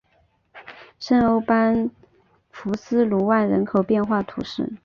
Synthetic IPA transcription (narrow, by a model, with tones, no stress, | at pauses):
ʂə˥no˥ʊpa˥n | fu˧˥sɹ̩˥lu˧˥wa˥˩nɻə˧˥nkʰo˨˩ʊpjɛ˥˧nxwa˥˩t̪ʰṵ˧˥ʂɻ̩˥˩